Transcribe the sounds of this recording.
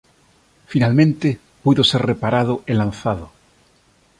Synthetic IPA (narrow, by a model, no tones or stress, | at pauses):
finalmẽnt̪e | puðoserrepaɾað̞oʔelãn̟θaðo